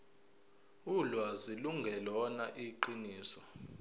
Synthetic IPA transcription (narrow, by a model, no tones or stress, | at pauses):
ulwaziluŋɡʱɛlɔnaʔiǃiniːsɔ